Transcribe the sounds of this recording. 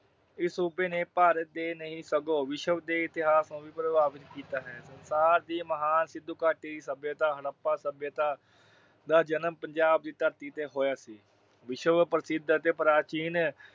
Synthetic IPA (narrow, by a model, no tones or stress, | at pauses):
ɪsuːpeːneːpaːɾət̪̚d̪eːnəɦĩːsəɡoːʋɪʃəʋd̪eːɪt̪ɪɦaːsõːʋiːpɾəbaːʋɪt̪kiːt̪aːɦɛːsənsaːɾd̪iːməɦaːnsɪd̪ːukaːʈiːd̪iːsəbjət̪aːɦəɽəpːaːsəbjət̪aː | d̪aːd͡ʒənəmpəɲd͡ʒaːb̚d̪iːt̪əɾt̪iːt̪eːɦoːjaːsiː | ʋɪʃəʋpɾəsɪd̪t̪eːpɾaːt͡ʃiːn